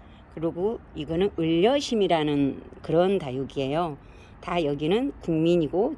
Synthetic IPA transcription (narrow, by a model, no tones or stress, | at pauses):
kɯɾoɡoiɡʌnɯnɯʎːʌɕʰimiɾanɯnkɯɾʌntajuɡie̞jo | tajʌɡinɯnkuŋmiɲiɡo